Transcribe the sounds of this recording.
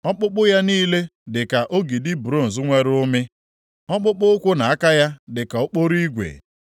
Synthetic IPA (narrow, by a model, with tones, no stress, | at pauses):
ɔ˦k͡pʊ˦k͡pʊ˦ja˦niː˦le˦dɪ˨ka˨ʔo˦ɡi˨dɪ˦bu˨ɾo˦˨n̩˨zʊ˦ŋʷe˦ɾʊ˦mɪ˦ | ɔ˦k͡pʊ˦k͡pʊ˦kʷʊ˦na˨a˦ka˦ja˦dɪ˨ka˨o˦k͡po˦ɾi˦ɡʷḛ˨